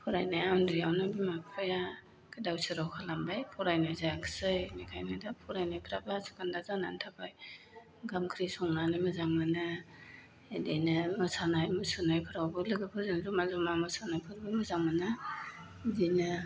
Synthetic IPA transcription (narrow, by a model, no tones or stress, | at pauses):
pʰuɾajnajawndijawnabimakpʰɯja | kʰɯdawsɯɾawkʰalambajpʰɔɾajnajzajakʰsɯjnikʰajnadapʰuɾajnajpʰɾabasu̥kandazana̰ntʰabaj | ɡamkʰɾisɔŋnanɯmɯzaŋmanɯ | edejnɯmɯsanajmɯsɯnajpʰɯɾawbɯlɯɡɯpʰɯɾzanzumazumamɯsanajpʰɯɾbɯmɯzaŋmana | zinɯ